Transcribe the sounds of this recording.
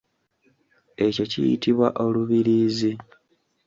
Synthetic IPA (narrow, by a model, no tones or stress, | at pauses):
e̞co̞cḭjḭtiβwa̰ʔo̞luβiɾiːzi